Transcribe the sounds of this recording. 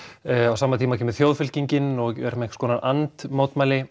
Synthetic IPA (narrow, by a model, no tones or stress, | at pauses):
awsaːmat̪ʰiːmacʰɛːmɪðθjoːwðfʏl̥ciɲcɪnɔɣɛ̰ɾmɛhskɔːnanant̪moːwt̪maːjlɪ